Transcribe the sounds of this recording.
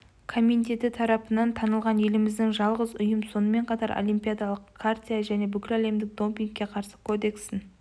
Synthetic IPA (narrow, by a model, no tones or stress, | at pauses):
kʰomint̪e̞t̪ɪt̪ʰɑɾɑpənɑnt̪ʰɑnəlˠʁɑnje̞lɪmɪzd̪ɪŋʒɑlˠʁəzʊjəmso̞nəme̞ɴqʰɑt̪ɑ̰ɾʔo̰lʲijmpʲijad̪ɑlˠəqkʰart̪ʲijaʒæne̞bʏkʲɪlæle̞md̪ɪk̚d̪o̞mpʲiŋkʲːe̞qʰɑɾsə̥kʰo̞d̪e̞ksɪn